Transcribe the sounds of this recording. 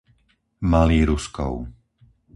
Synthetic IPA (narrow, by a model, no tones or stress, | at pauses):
maliːɾuskɔ̰ʊ